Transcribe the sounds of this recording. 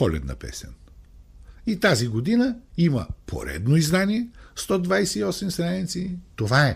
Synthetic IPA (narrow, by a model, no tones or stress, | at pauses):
ɔlɛ̰t̪nɐ̰pɛ̰sɛn | it̪aziɡod̪inəimɐpʰo̰ɾɛ̰d̪noizd̪aniɛst̪ɔd̪vajsɛiɔsɛmsɾanʲit̪sit̪ovaɛ